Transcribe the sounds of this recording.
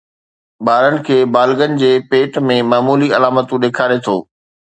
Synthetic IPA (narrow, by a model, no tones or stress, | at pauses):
ɓaːɾənɪ̆kʰeːbaːlɠənɪ̆d͡ʑeːpeːʈmẽmaːmuːliɐlaːmət̪ũɗeːkʰaːɾet̪ʰo̰ː